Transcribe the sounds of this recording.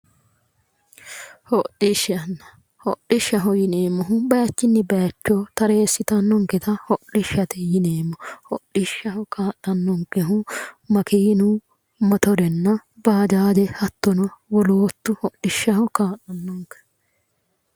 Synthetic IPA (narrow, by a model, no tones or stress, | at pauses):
hɔɗɪʃɐnːɐ | hɔɗɪʃːɐɦɔjɪneːmːɔɦʊbɐjɐt͡ʃːɪnːɪbɐjɐt͡ʃːoːt̪ɐɾeːsːɪt̪ɐnːɔŋkɛt̪ɐhɔɗɪʃɐt̪ɛjɪneːmːɔhɔɗɪʃːɐɦɔkaːɗːɐnːɔŋkɛɦʊmɐkiːnu | mɐt̪ɔɾɛnːɐbaːd͡ʒaːd̪ɛhɐt̪ːɔnɔwɔloːt̪ːʊhɔᶑːɪʃːɐhɔkaːtːɐnːɔŋkɛ̥